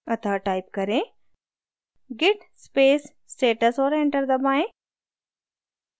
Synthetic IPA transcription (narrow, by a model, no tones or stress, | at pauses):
ɐt̪aːʈaːɪp̚kɐɾẽː | ɡɪʈspeːs | sʈeːʈəsɔːɾẽːɳʈəɾd̪ɐbaːẽ